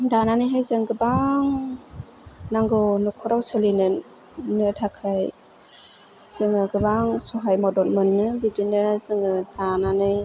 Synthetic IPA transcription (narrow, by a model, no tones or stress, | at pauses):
dananɯjɦajzɯŋɡɯbaŋ | naŋɡɯwnukʰɔɾawsɯlinɯn | nɯtʰakʰaj | z̥ɯŋɯɡɯbaŋsɔɦajmɔdɔlmɯnːɯbidinɯzɯŋɯd̥ananɯj